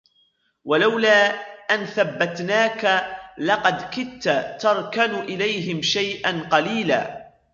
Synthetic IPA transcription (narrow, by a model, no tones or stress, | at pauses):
walawlaːʔanθabːat̪naːkalɑqɑd̪kɪt̪ːat̪ɑɾˤkanʊʔɪlajɦɪmʃajʔanqɑliːla̰ː